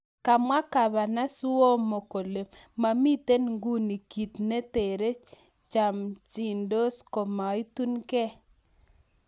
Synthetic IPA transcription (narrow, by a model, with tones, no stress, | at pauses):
ka˨mwa˦ka˨βa˨na˦su˦o˦mo˨ko˨le˨ma˨mi˦te˦nŋɡu˦ni˨ki˨t̪ne˦te˨ɾe˦ | t͡ʃa˨mt͡ʃi˨ndo˦sko˨ma˨i˦tu˦nkɛ˦